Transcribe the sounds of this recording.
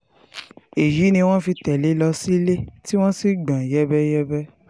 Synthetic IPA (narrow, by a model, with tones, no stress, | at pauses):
e˨ji˨˦nĩ˧w̃ɔ̃˦fi˧tɛ˨le˨˦lɔ˧si˦le˦ti˦w̃ɔ̃˦si˦ɡ͡bã˨jɛ˦bɛ˦jɛ˦bɛ˦